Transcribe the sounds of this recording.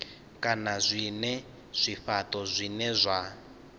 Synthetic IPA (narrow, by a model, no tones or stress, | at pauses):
kʼanazʷinɛ | z̥ʷiɸatʼɔzʷinɛzʷa